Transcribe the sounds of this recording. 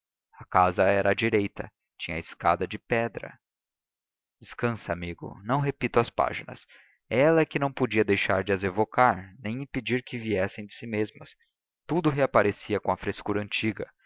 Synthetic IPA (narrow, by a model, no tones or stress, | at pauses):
ɐkazɐɛɾʔɐd͡ʒiɾejt̪ɐ̰ | t͡ʃĩɲɐɪska̰d̪ɐd͡ʒɪpɛd̪ɾɐ̰ | d͡ʒɪskɐ̃sɐamiɡʊ̰nɐ̃w̃ɦepit̪ʊɐspa̰ʒinɐ̰s | ɛlɐɛkɪnɐ̃w̃pod͡ʒiɐd̪ejʃaɾd͡ʒɪɐzevokaɾnẽj̃ĩped͡ʒiɾkɪviɛsẽj̃d͡ʒ̪ɪsimezmɐs | t̪ud̪ʊɦeapaɾesiɐkõɐfɾeskuɾɐɐ̃nt͡ʃiɡɐ